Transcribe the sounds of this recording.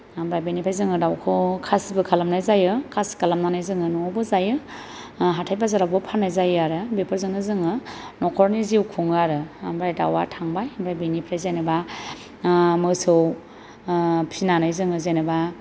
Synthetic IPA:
ambɾajbenipʰɾajzɯŋɯdawkʰɔkʰasbɯkʰalamnajzajɯkʰaskalamnanajzɯŋɯnɔbɯzajɯ | ɦatʰajbazaɾabɯpʰanajzajɯaɾɯbepʰɯɾzɯŋɯzɯŋɯnɔkʰɔɾniziwkʰuŋɯaɾɯamɾajda̰watʰaŋbajamɾajbenipʰɾajzejnɯba | mɯsɯw | pʰinanajzɯŋɯzenɯba

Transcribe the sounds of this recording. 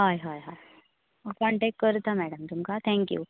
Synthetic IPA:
ɦaːjɦajɦaj | əkɔ̃ɳʈekːəɾt̪amɛɽəmt̪umkat̪ʰɛ̃ŋkjṵː

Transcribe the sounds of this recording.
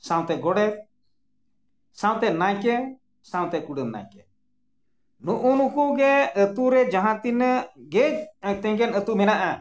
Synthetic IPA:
sãw̃t̪ɛɡɔɽɛ | sãw̃t̪ɛnajkɛ | sãw̃t̪ɛkuɖənːa̰jkɛ | nuʔunukuɡɛət̪uɾɛd͡ʒaɦãt̪inɡed͡ʒt̪ɛ̃ɡɛnət̪umɛnaʔa

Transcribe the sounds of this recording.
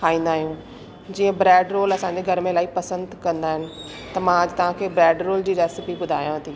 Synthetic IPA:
kʰaːĩːnd̪aːɦijũː | d͡ʑiːə̃bɾɛːɖɾoːlɐsãːɲd͡ʑeɡʱɐɾmẽlaːipɐsə̃nd̪kɐ̃nd̪aːɦɪnɪ̆ | t̪ɐmãɐd͡ʑt̪ɐʋ̤ãːkʰeːbɾɛːɖɾoːld͡ʑiːɾɛːsɪpiɓʊd̪ʱaːjãɦɐt̪ʰiː

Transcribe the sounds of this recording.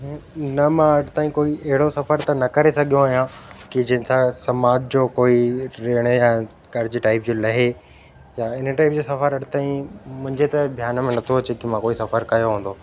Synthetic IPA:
nɐmãɐɽt̪aːĩkoːiɐɦɪɽosɐfəɾt̪ɐnɐkɐɾesɐɠʱjõaːɦijãkid͡ʑɐɦɪ̃nsãsɐmaːd͡ʑd͡ʑoːkoːiɾeːɽ̃eja | kɐɾd͡ʑiʈaːɪpd͡ʑoːlɐɦe | jaːɪnəʈaːɪp̚d͡ʑoːsɐfəɾɐɖt̪aːĩmʊ̃ɦɪ̃ɲd͡ʑet̪ɐbʱjaːnmẽnɐt̪ʰoɐt͡ɕekimãkoːisɐfəɾkɐjoɦũːn̆d̪oː

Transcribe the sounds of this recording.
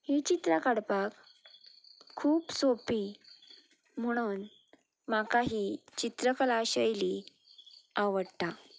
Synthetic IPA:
hit͡ɕit̪ɾakaɽpak | kʰːuːpsopi | m̤əɽ̃uːn | makaɦit͡ɕit̪ɾəkəlaɕəjli | aʋəɽt̪a

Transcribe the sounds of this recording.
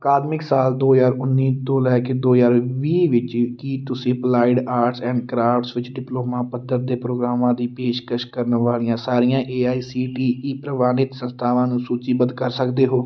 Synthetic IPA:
əkaːd̪mɪksaːld̪oːjaːɾʊnːiːt̪oːlɛːked̪oːjaːɾʋiːʋɪt͡ʃkiːt̪ʊsĩːplaːɪɖaːɾʈsɛ̃ːɳɖkɾaːfʈsʋɪt͡ʃɖɪploːmãːpəd̪ːəɾd̪eːpɾoːɡɾaːmãːd̪iːpeːʃkəʃkəɾnʋaːlijãːsaːɾijãːʔeːaːiːsiːʈiːiːpɾəʋaːnɪt̪sə̃nst̪ʰaːʋãːnũːsuːt͡ʃiːbənd̪kəɾsəkd̪eːɦoː

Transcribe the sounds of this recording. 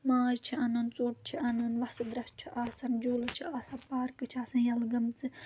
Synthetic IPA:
maːzt͡ʃʰiɐnɐnt͡soːʈ̚t͡ʃʰiɐnɐnʋɐsɨd̪ɾɐst͡ʃʰiʔaːsɐnd͡ʒoːlɐt͡ʃʰiaːsɐnpaːɾkɨt͡ʃʰaːsɐnjɐlɡɐmt͡sɨ

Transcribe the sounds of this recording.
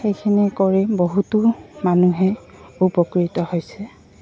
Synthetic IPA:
xejkʰinɛkɔɹɛboɦutʊmanuɦɛ | upɔkɹitɔhojsɛ

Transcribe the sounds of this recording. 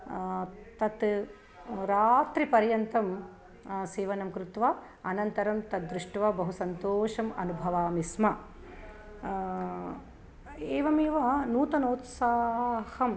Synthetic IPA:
t̪ɐt̪ | ɾaːt̪ɾipɐɾjɐnt̪ɐm | seːʋɐnɐmkɾut̪ʋaː | ɐnɐnt̪ɐɾɐmt̪ɐt̪̚d̪ɾɪʂʈʋɐbɐɦusɐnt̪oːʂɐmɐ̰nubʱɐʋaːmismɐ | eːʋɐmeːʋɐnuːt̪ɐnoːt̪saːɦhɐm

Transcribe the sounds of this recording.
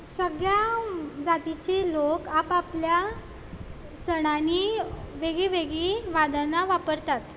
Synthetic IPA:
səɡɭjad͡zat̪it͡ɕelokapaplja | səɽ̃aniʋeɡɭiʋeɡɭiʋad̪anaʋapəɾt̪at̪

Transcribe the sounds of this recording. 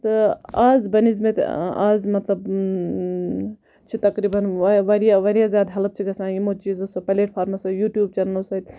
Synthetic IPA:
t̪ɨaːzbɐnizmet̪azmɐt̪lɐb | t͡ʃʰit̪ɐkɾibɐnʋʋɐɾijaʋɐɾijazjaːd̪ɦɐlɐb̚t͡ʃʰiɡɐsãːjimot͡ʃiːzɐsɐpɐleːʈpʰaːɾmasɐjuːʈjuːb̚t͡ʃɐnnɐsɐit̪

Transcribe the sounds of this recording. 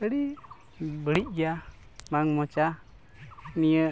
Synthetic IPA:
əɽi | bəɽic̚ja | maŋmɔt͡ʃa | nijə

